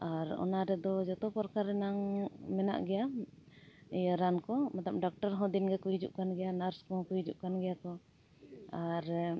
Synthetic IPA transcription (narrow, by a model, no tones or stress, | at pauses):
aɾɔ̰naɾɛd̪ɔd͡ʒɔt̪ɔpɔɾkaɾːɛnaŋmɛna̰ʔɡɛja | ɛjaɾankɔmat̪ap̚ɖɔk̚ʈɔɾɦɔ̃d̪inɡɛkujd͡ʒṵʔkanɡɛjanaɾskɔkujd͡ʒuʔkanɡɛjakɔ | aɾ